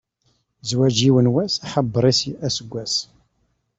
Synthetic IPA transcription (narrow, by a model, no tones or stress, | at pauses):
zwæd͡ʒiwənwæsaħəbːəɾˤisæsəɡʷːæs